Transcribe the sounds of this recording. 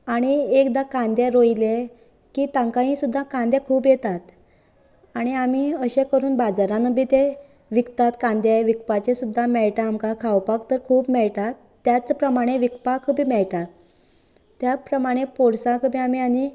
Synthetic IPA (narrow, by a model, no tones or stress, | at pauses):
aɽ̃iekd̪akãnd̪jaɾoile | kiːt̪ãŋkaɦĩsud̪ʱːakand̪jakʰuːpjet̪at̪ | aɽ̃iam̤iəɕekəɾuːnbad͡zaɾãnəbiːt̪e | ʋikt̪at̪kãnd̪jaʋik̚pat͡ɕesud̪ʱːamɛɭʈaːmkakʰawpakt̪əɾkʰuːpmɛɭʈ̪at̪ːjat͡spɾəmaɽ̃eʋikpakʰəbʱiːmɛɭʈ̪a | t̪ːjapɾəmaɽ̃epoɽsakʰəbʱiam̤iani